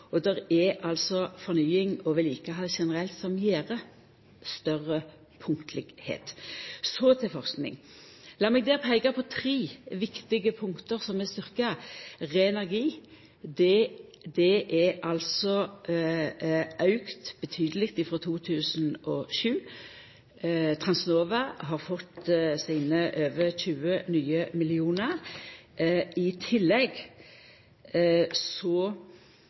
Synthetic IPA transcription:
ɔd̪ɛɾɛɑlsɔfɔʁnyːɪŋɔʋɪlɪːkəɦɑʃɛnəʁɛlt̪sɔmjeːʁə | st̪œʁːə | pʰʊŋkt̪ʰəlɪɡhḛːt̪sɔt̪ʰɪlfɔʁsknɪ̰ŋ | lɑːmɛɡ̚d̪ɛːʁpʰæɪɡɑpʰɔt̪ʰɾiːʋɪkt̪ɪɡəpʰʊŋkt̪əʁsɔmɛst̪ʏʁkəʁeːɛnæʁɡiː | d̪ɛd̪ɛʔɛɑlsɔ | ʔɑʉkt̪b̥ɛt̪ʰyːd̪əlɪkt̪ɪfʁɔt̪ʰuːt̪ʰʉːsnɔʃʉː | t̪ʰʁɑnsnoːʋɑɦɑʁfɔt̪ːsiːnəʔøːʋəçʉːənyːəmɪlɪuːnəʁ | ɪt̪ʰɪlːɛɡ | sɔ

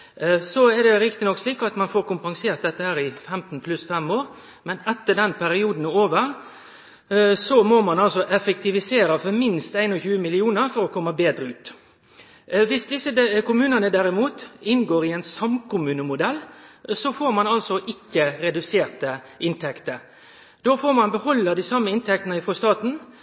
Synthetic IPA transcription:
sɔɛɾd̪ɛɾɪkt̪ɪnɔksliːkɑt̪mɑnfoːɾkʊmpɑŋseːɾt̪̚d̪ɛt̪ːəhæːɾɪfɛmt̪n̩pʰlʉsfɛmoːɾ | mɛnɛt̪ːəɖɛnpʰæɾɪuːd̪n̩oːʋəɾ | sɔmɔmɑnɑlsɔʔɛfəkt̪ɪʋɪseːɾəfɔɾmɪnst̪æɪnɔçʉːəmɪlɪuːnəɾfɔɾɔkʰɔmːəbeːd̪ɾəʉːt̪ | ʋɪsd̪ɪsːəkʊmʉːnənəd̪æɾɪmuːt̪ɪnɡoːɾɪɛɪnsɑmkʊmʉːnəmʊd̪ɛlːsɔfoːɾmɑnɑlsɔʔɪkːəɾɛd̪ʉseːɾt̪ə | ʔɪnt̪ʰɛkt̪əɾ | d̪̥oːfoːɾmɑnbəhɔlːəd̪ɪsɑmːəɪnt̪ʰɛk̚t̪nəɪfʁɔst̪ɑːt̪n̩

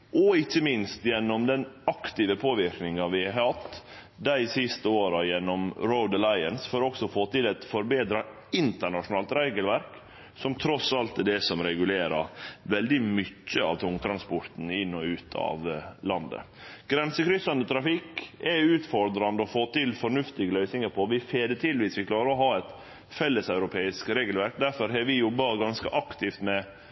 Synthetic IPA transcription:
ʔɔɪçːəmɪnst̪jɛnːɔmd̪ɛnɑkt̪ɪːʋəpʰoːʋɪɾknɪŋɑʋɪɑɾhɑt̪ː | d̪æɪsɪst̪əoːɾɑjɛnːɔmɾoʊd̪əlɑɪənsføːɾɔksɔfoːt̪ɪlæɪt̪fɔɾbeːd̪ɾɑ | ɪnt̪əɳɑʂʊnɑːlt̪ɾæɪɡəlʋæɾk | sɔmt̪ʰɾɔsɑlt̪d̪ɛsɔmɾɛɡʉleːɾɑʋɛld̪ɪmʏcːəɑ̰ʋt̪ʰʊŋt̪ʰɾɑnspɔɾt̪n̩ɪnːɔʉːt̪ʰɑ̰ʋlɑnd̪ə̰ | ɡ̥ɾɛnsəkʰɾʏsɑnd̪ət̪ʰɾɑfɪkːɛʉːt̪fɔɾd̪ɾɑnd̪əɔfoːt̪ɪlfɔɾɳʉft̪ɪɡəlœʏsnɪŋəɾpʰɔʋɪfeːd̪ət̪ʰɪlʋiːsʋɪklɑːɾəɔɦɑːɛt̪ | fɛlːəsɑʉɾʊpʰeːɪskɾeːɡəlʋæɾk̚d̪æɾfɔɾɦɛʋɪjɔbːɑɡɑnskəʔɑkt̪ʰɪft̪mɛ

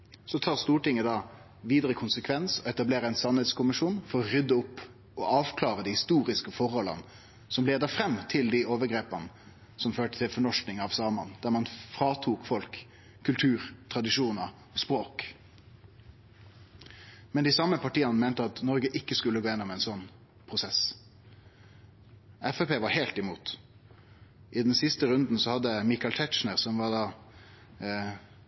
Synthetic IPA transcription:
sɔt̪ʰɑːʁst̪uːʈɪŋːəd̪ɑː | ʋiːd̪əʁəkʰʊnsəkʰʋɛnsɔɛt̪ɑbleːɾəæɛɪnsɑnhɛd̪skʊmɪʂuːnfɔʁɔʁʏd̪əʊpː | ɔʔɑːʋkʰlɑːʁəd̪iːhɪst̪uːʁɪskəfɔʁɔlːɑ̰n | sɔmleːd̪əfʁɛmːt̪ʰɪld̪ioːʋəɡʁeːpənə | sɔmføːʈət̪ʰɪlfɔɳɔʂknɪŋɑʋsɑːmɑnd̪̥æːʁmɑnfʁɑːt̪ʰuːkfɔlkʰː | ʉlt̪ʰʉːʁt̪ʰʁɑd̪ɪʂuːnə | ɔspʁoːk | mɛnd̪ɪsɑmːəpɑʈiːɑnəmæɪnt̪əɑt̪nɔɾɡəʔɪkːəskʉlːəɡoːjɛnːɔmɛɪnsɔnː | pʰʁʊsɛs | ɛfɛpeːʋɑɾheːlt̪ɪmuːt̪ | ʔɪd̪ɛnsɪst̪əɾʉnd̪n̩sɔhɑd̪ːəmɪkɑlt̪ʰɛt̪t͡ʃnəʁsɔmʋɑdɑː

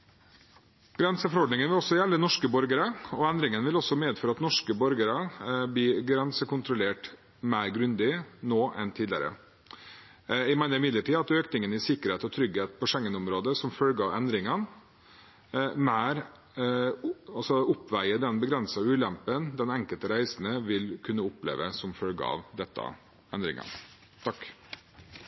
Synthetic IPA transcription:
ɡ̥ɾɛnsəfɔɾɔɖnɪŋənʋɪlɔsːɔjɛlːənɔʂkəbɔɾɡəɾəɔɛnd̪ɾɪŋənʋɪlɔsːɔmeːd̪føːɾəɑt̪nɔʂkəbɔɾɡəɾəblɪɡɾɛnsəkʊnt̪ɾʊleːʈ | mæɪɾɡɾʉnd̪ɪnoːʔɛnt̪ʰiːd̪lɪə̰ɾə̰ | ɪmæɪnəɾɪmɪd̪ləʈʰiːɑt̪øːknɪŋənɪsɪkəɾheːt̪ɔt̪ʰɾʏɡheːt̪̚pʰɔʂɛŋːənʊmɾoːd̪əsɔmfœlɡɑʋɛ̰nd̪ɾɪŋən | mæːɾ | ɑlsɔʊpʋæɪəd̪ɛnbəɡɾɛnsɑʉːlɛmpənd̪ɛnɛŋkəlt̪əɾæɪsn̩əʋɪlkʰʉnːəʊplḛːʋəsɔmfœlɡɑ̰ʋd̪ɛt̪ːɑ̰ | ɛnd̪ɾɪ̰ŋɑ̰ | t̪ʰɑk

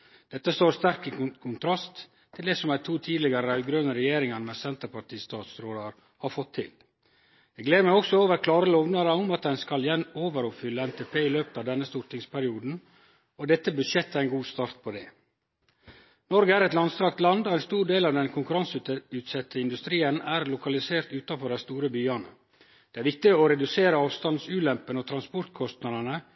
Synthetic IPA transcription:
d̪̥ɛt̪ːəst̪oːɾst̪æɾkikkʰʊnt̪ʰɾɑst̪ʰː | ɪld̪eːsɔmæɪt̪ʰuːt̪ʰiːd̪lɪɡəɾəɑɡɾøːnəɾɛjeːɾɪŋənmɛsɛnt̪əɾpɑʈʰiːst̪ʰɑːt̪sɾoːd̪ɑɾ | hɑɾfɔt̪ʰːɪ̰l | ɛɡleːɾəməɔksɔoːʋəɾkʰlɑːɾəlɔʋnɑɾəɔmɑt̪̚d̪ɛnskɑljɛnoːʋəɾɔpfʏlːəɛnt̪ʰeːpʰeːɪløːpə̥t̪ɑːʋd̪ɛnːəst̪ʊɾt̪ɪŋspʰæɾɪuːd̪n̩ | ɔd̪ɛt̪ːəbʉdʃɛt̪ːæɾæɛnɡuːst̪ɑːɾt̪̚pʰod̪ḛː | nɔɾɡəæɾɛt̪lɑnst̪ɾɑkt̪lɑnd̪oːæɪnst̪uːɾɖeːlɑːʋd̪ɛnkʰʊŋkʉɾɑnsʉt̪ʉːt̪sɛt̪ːəɪnd̪ʉst̪ɾiːənæːɾlʊkɑlɪseːɾt̪ʉːt̪ɑfɔɖæɪst̪uːɾəbyːɑnə̰ | d̪̥ɛːæːɾʋɪk̚t̪ɪoɾɛd̪ʉseːɾəɑːʋst̪ɑnd̪sʉːlɛmpənoːt̪ʰɾɑnspɔɾt̪kʰɔst̪nɑd̪ənə

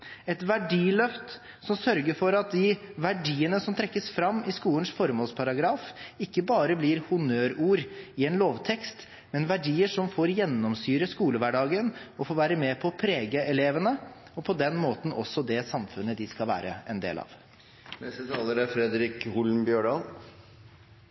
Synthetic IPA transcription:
ɛt̪ʋæɖiːlœft̪ | sɔmsœɾɡəfɔɾɑt̪̚d̪ɪʋæɖiːənəsɔmt̪ʰɾɛkːəsfɾɑmːɪskuːlənsfɔɾmoːlspʰɑɾɑɡɾɑːfɪkːəbɑːɾəbliɾhʊnøːɾuːɾɪɛnloːʋt̪ʰɛkst̪ | mɛnʋæɖiːəʂɔmfoːɾjɛnːɔmsyːɾəskuːləʋæɖɑːɡənɔfoːʋæːɾəmɛpʰɔpʰɾeːɡəɛleːʋənə | ɔpʰɔd̪ɛnmoːt̪n̩ʔɔsɔd̪ɛsɑmfʉnːəd̪ɪskɑlʋæ̰ːɾə̰ɛnd̪ḛːlɑ̰ːʋ | nɛst̪ət̪ʰɑːləɾæɾfɾɛd̪ɾɪkhʊlmbjøːɖɑːl

